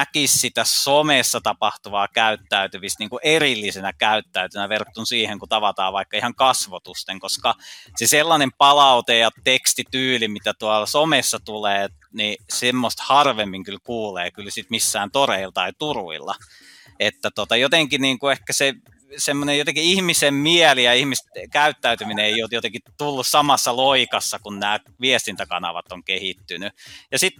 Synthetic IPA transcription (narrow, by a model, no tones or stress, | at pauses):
ækissit̪æsomesːɑt̪ɑpɑht̪uʋɑːkæyt̪ːæyt̪yʋist̪niːŋkuʔerilːisenækæyt̪ːæyt̪ynæʋert̪ːunsiːheŋkut̪ɑʋɑt̪ɑ̰ːʋʋɑikːɑihɑŋkɑsʋot̪ust̪eŋkoskɑseselːɑnempɑlɑut̪ejɑt̪ekst̪it̪yːlimit̪æt̪uɑlɑsomesːɑt̪uleː | nisemːost̪hɑrʋemːiŋkylkuːleːkylsit̪misːæːnt̪oreilt̪ɑit̪urṵḭlːɑ̰ | et̪ːæt̪ot̪ɑjot̪eŋkiniːŋkuehkæse | semːonejot̪eŋkiihmisemmiɛlijɑihmistkæyt̪ːæyt̪ymineeijot̪jot̪eŋkit̪ulːussɑmɑsːɑloikɑsːɑkunnæː | ʋiest̪int̪ækɑ̰nɑ̰ʋɑ̰t̪oŋkehit̪ːynyjɑsit̪